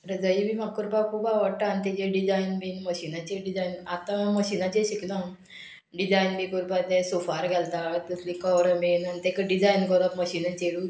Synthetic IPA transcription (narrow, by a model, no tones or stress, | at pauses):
ɾəd͡zajibʱimakkːuɾpakubaʋəɽʈaːnt̪ɛd͡ʑeɖid͡zajnbinməɕinat͡ɕeɖid͡zainat̪ãməɕinat͡ɕẽɕiklã | ɖid͡zajnbikuɾpat̪ẽsofaɾɡʱɛlt̪at̪əslikɔʋɾəmenanit̪ekəɖid͡zajnkɔɾət̪məɕinãt͡ɕeɽu